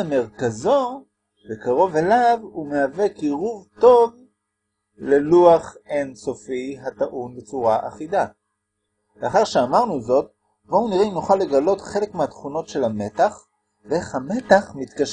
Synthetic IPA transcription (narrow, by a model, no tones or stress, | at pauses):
ame̞ʁkazo̞ | bekaʁo̞velavumeavekiʁuvto̞v | le̞luaχenso̞fiɦat̪aʔunbet͡suʁaʔa̰χida | veaχaʁʃeamaʁnuzo̞t | bouniʁeinuχalːe̞ɡalo̞tχe̞le̞kmeat̪χuno̞tʃe̞lame̞taχ | veeχhame̞t̪aχmit̪kaʃ